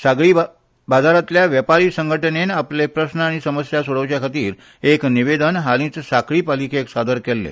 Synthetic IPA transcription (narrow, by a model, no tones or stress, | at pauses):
saɡɭiː | bad͡zaɾat̪ljaʋjəpaɾiːsə̃ŋɡʱəʈənenaplepɾəsnəaɽ̃isəməsjasuɽ̤əʋt͡ɕjakʰat̪iːɾ | ekniʋed̪ənɦalĩt͡ssakɭiːpalikeːksad̪əɾkelːḛ